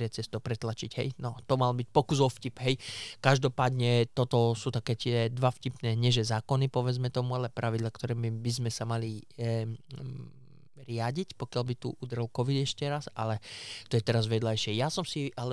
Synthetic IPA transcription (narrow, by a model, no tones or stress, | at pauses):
ɛt͡sɛst̪ɔpɾɛt̪lat͡ʃiɟɦɛ̰jnɔt̪ɔmalbic̚pɔkuzɔfcipɦɛjkaʒd̪ɔpaːd̪ɲɛt̪ɔt̪ɔsuːt̪akɛːt̪ɪɛd̪ʋafcipnɛːɲɛʒɛzaːkɔnipɔʋɛd͡zmɛt̪ɔmualɛpɾʔaʋid̪lakt̪ɔɾɛːmbizmɛsamali | ɾɪaɟicpɔkɪalbit̪uʔud̪rɛlkɔʋid̪ɛʃcɛɾasa̰lɛt̪ɔjɛt̪ɛɾazʋɛd̪lajʃɪɛjasɔmsiʔalɛ